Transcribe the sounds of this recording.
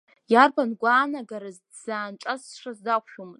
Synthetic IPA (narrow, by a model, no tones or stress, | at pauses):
jarbanɡʷaːnaɡaɾaz | z̥aːnʈ͡ʂʼasʂazdakʷʰʃᶣumɨzʼ